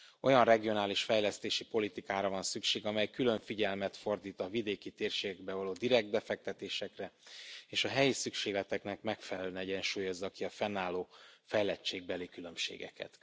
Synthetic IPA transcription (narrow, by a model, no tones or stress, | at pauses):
o̞jɒnrɛɡio̞naːliʃfɛjlɛst̪eːʃipo̞lit̪ikaːɾɒvɒnsykʃeːɡɒmɛjkylø̞ɱfiɟɛlmɛt̪fo̞rd̪iːt̪ɒvid̪eːkit̪eːrʃeːɡɛɡ̚bɛvɒloːd̪iɾɛɡ̚t̪̚bɛfɛk̚t̪ɛt̪eːʃɛkrɛeːʃɒɦɛjisykʃeːɡlɛt̪ɛknɛkmɛkfɛlɛlønɛɟɛnʃuːjo̞zːɒkiɒfɛnːaːloːfɛjlɛt͡ʃːeːɡ̚bɛlikylø̞mʃḛːɡɛ̰kɛ̰t̪